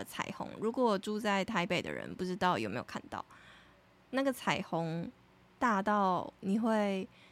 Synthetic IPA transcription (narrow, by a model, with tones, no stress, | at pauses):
ət͡sʰa̰˨˩ɪxʊ̰˧˥ŋɻu˧˥kwɔ˨˩ʈ͡ʂu˥˧t͡sa˥˩ɪt̪ʰa˧˥ɪpe˥˩ɪd̪ə̰˨˩ɻə̰˧˦npu˥˩ʈ͡ʂɻ̩˧˥t̪ɑ˥˩ʊjo̰˨ʊme˧˥ɪjo˨˩kʰa˥˩nt̪ɑ̰˥˩ʊ | na˥˩ɡə˩t͡sʰa˨˩ɪxʊ˧˥ŋ | t̪a˥˧t̪ɑ˥˩ʊni˨˩xwe˥˩ɪ